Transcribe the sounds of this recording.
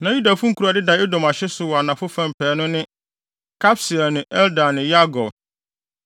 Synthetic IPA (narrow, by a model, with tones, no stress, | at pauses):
nã˨ju˦da˨fʊ̃˦ŋ̩˦kʰu˨ɾa˨dɪ˦da˨e˦dɔ̃˨ma˨ɕɛ˦sʊ˨wɔ˨a˨nã˨fʊ˦fã˦m˨pʰɛː˨˦nʊ̃˦nɪ̃˦ | kʰa˦psɪ˨ɛ˨nʊ̃˨ʔɛ˦ldã˨nɪ̃˨ja˦ɡɔ˨